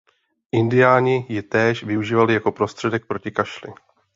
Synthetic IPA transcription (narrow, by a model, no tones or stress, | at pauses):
ʔɪndɪjaːɲɪjɪt̪ɛːʃvɪuʒiːvalɪjako̞pɾo̞st̪r̝̥ɛdɛk̚pɾo̞cɪkaʃlɪ̰